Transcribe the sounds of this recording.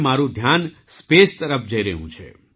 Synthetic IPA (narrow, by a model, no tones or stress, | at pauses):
maɾũd̪ʱjan | spest̪əɾəfʰd͡ʒəiɾəɦṵ̃t͡ʃʰḛ